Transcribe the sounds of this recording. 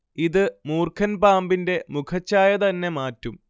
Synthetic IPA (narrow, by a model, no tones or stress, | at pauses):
iðɨmuːrkʰɐnbaːmbinde̞mukʰɐt͡ɕːaːjɐt̪ɐnːe̞maːtːum